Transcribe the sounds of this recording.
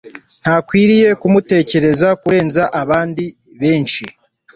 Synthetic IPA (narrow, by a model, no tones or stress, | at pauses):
n̥haːkwiːɾije̞kumute̞ːce̞ɾe̞zakuɾe̞ːnzaʔaβaːndi | βe̞ːnʃi